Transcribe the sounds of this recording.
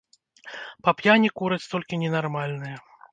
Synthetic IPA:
pɐpjanʲikuɾɐt͡sʲt̪ɔlʲkʲinʲɛnarmalʲnɨjɐ

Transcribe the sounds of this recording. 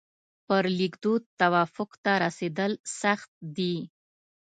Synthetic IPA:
pəɾlikd̪ot̪awɑfʊkt̪aɾased̪əlsaxt̪̚d̪i

